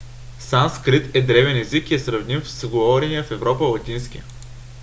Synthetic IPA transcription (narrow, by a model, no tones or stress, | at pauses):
sanskɾit̪ɛd̪ɾɛvɛnɛzikiɛsɾɐvnʲifsɡovɔɾʲɛniəfɛvɾɔpəlˠɐt̪ʲinskʲi